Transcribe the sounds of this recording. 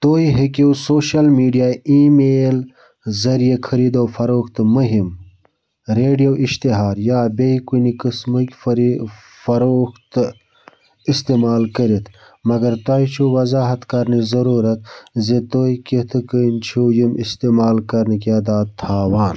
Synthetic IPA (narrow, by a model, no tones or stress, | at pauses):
t̪oːjɦekiwsoːʃɐlmiːɖijaːimeːl | zɐɾijekʰɐɾiːd̪oːfɐɾoːkt̪ɨmuɦim | ɾeːɖijowʔiʃt̪iɦaːɾjaːbejkunikəsmɨkʲfɾ | fɐɾoːkt̪ | ist̪eːmaːlkəɾit̪ʰ | mɐɡɐɾt̪aːjt͡ʃʰuwɐzaːɦɐt̪kɐɾnizɐɾuːɾɐt̪̚zet̪oːiket̪ʰɨkənt͡ʃʰujimist̪eːmaːlkɐɾnikaːd̪aːt̪ʰːaːwaːn